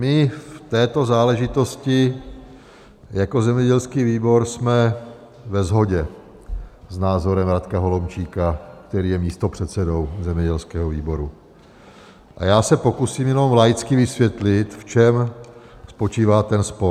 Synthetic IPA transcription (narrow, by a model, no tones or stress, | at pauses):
mɪft̪ɛːt̪o̞zaːlɛʒɪt̪o̞scɪ | jako̞zɛmɲɛɟɛlskiːviːbo̞ɾsmɛ | vɛzɦo̞ɟɛ | znaːzo̞ɾɛmɾat̪kaɦo̞lomt͡ʃiːkak̚t̪ɛɾiːjɛmiːst̪o̞pr̝̥ɛt̪sɛdo̞wzɛmɲɛɟɛlskɛːɦoviːbo̞ɾu | ʔa̰jaːsɛpo̞kusiːmjɛno̞mlajt͡skɪvɪsvjɛt̪lɪt̪ft͡ʃɛmspo̞t͡ʃiːvaːt̪ɛnspo̞